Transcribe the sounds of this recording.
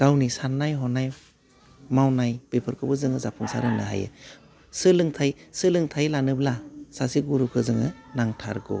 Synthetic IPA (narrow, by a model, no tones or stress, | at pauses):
ɡ̥awnisanːajɦɔnaj | mawnajb̥epʰɯɾkʰɯbɯzɯŋɯzapʰuŋsa̰ɾɯnɯɦa̰jɯ̰ | sɯlɯŋtʰajsɯlɯŋtʰajlanɯblasasiɡuɾukʰɯzɯŋɯnaŋtʰa̰ɾɡɔ̰